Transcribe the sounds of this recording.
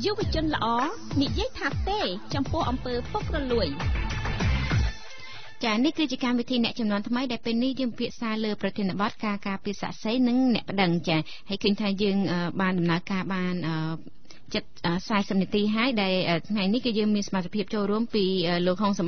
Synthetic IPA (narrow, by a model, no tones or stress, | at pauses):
juʋə̆ət͡ɕʊ̆ənlə̆ʔɑː | niʔjiəjt̪ʰaːt̪eːt͡ɕɑmpʊ̆əhʔɑmpəːpok̚rɔluəj | t͡ɕaːnihkɨːt͡ɕiəkamʋit̪ʰiːnɛ̆əʔt͡ɕɑmnŏənt̪ʰməjɗaɛlpeːlnihjəːŋpi̥pʰiəʔsaːləːprɑt̪ʰiənə̆ɓɑt̪̚kaːkaːpiəsa̰ːʔsəjnɨŋnɛ̆əʔpə̆ɗəŋt͡ɕaː | haəjkʰəːɲt̪ʰaːjəːŋʔəːɓaːnɗɑmnaəkaːɓaːnʔəː | t͡ɕət̪̚ʔəːsaɛsəp̚niət̪iːɦaəjɗaɛlʔəːt̪ʰŋajnihkɨːjəːŋmiənsɑmat̪ʰːe̥pʰiəp̚t͡ɕoːlruəmpiːʔəːloːk̚ɦoːŋsɑm